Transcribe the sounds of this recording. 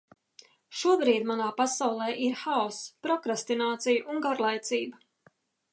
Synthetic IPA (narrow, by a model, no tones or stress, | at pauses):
ʃuɔbɾiːd̪manaːpasawlˠɛːʔiɾxaɔspɾɔkɾast̪inaːt̪sijʔuŋɡaɾlˠajt̪siːba